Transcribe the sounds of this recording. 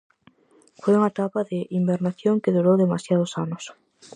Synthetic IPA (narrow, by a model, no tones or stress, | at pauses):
fojuŋat̪apɐðɪʔimbeɾnaθjoŋkɪðuɾowðemasjað̞ʊsanʊs